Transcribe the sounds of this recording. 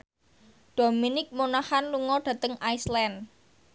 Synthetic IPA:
ɖ̪̥o̤minɪk̚monahanluŋɔɖ̥ä̤t̪əŋajslɛn

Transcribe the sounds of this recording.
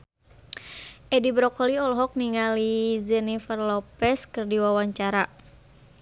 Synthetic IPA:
ʔɛdibɾɔkɔliɔlɔɦɔk̚niŋalizɛnifərlɔpɛskɨrdiwawaɲt͡ʃaɾa

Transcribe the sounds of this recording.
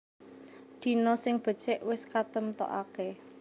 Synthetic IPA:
d̪̥i̤nɔsɪŋb̥ə̤̥t͡ʃɛʔwɪskat̪əmt̪ɔ̰ʔake

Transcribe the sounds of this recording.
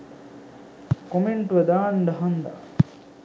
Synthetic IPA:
komeɳʈʋɐd̪aːɳɖɐɦɐnd̪a̰

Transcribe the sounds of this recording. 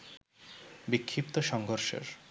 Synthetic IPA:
bikʰːipt̪oʃɔŋɡʱoɾʃo̰ɾ

